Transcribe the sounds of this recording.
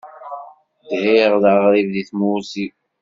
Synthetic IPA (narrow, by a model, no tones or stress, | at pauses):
dhiʁðaʁɾivðiθmusi